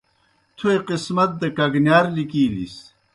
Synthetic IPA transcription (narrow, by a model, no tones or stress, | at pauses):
t̪ʰueqismɐt̪̚d̪ɐkɐɡnjaːɾlikiːlḭs